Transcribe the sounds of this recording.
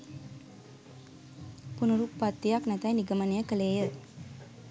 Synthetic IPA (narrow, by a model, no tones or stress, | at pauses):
punuɾupːat̪ːijaknæt̪ɛjniɡəmənijəkəleːjə